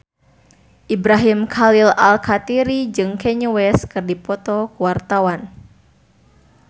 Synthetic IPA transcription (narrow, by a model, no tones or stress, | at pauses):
ʔibɾaɦimkʰalilalkat̪iɾid͡ʒɨŋkɛɲuwɛskɨrdipɔt̪ɔkuwart̪awan